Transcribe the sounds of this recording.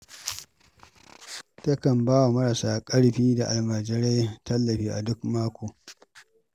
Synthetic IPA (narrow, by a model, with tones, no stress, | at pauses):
tɐ˦kɐ˨mbaː˦wa˨mɐ˦ɾɐ˨saː˨kʼɐ˦ɽɸiː˦da˨ʔa˨lmaː˨d͡ʒɪ˨ɽa˦jtɐ˦lːɐ˨ɸiː˦ʔa˨dʊ˦kmaː˦kʷoː˨